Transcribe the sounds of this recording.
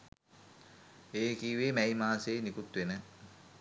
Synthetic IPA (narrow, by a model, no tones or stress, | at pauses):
eːkiːʋeːmæjmaːseːnikut̪ʋenə